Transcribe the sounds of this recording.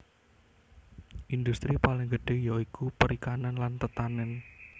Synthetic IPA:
ʔind̪ust̪ɾipalɪŋɡəɖ̥e̤jaikupəɾikananlant̪ət̪anɛn

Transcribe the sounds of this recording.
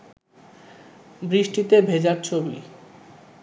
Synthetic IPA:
bɾiʃʈit̪ebʱed͡ʑaɾt͡ɕʰobḭ

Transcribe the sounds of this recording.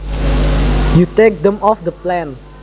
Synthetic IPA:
jut̪ek̚d̪ɛ̃mɔfd̪əplɛ̃n

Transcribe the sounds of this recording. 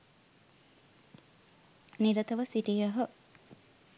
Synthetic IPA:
niɾɐt̪ɐʋɐsiʈijɐɦə

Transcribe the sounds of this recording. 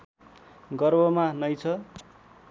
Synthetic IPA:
ɡʌrbʱʌmanʌjt͡sʰʌ

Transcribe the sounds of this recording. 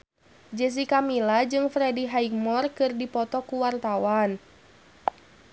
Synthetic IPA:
d͡ʒɛs̬ikamilad͡ʒɨŋfɾɛdiɦaik̚mɔrkɨrdipɔt̪ɔkuwart̪awan

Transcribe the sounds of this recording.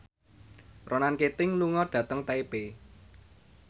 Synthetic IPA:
rʔonanket̪ɪŋluŋɔɖ̥ä̤t̪əŋt̪aipe

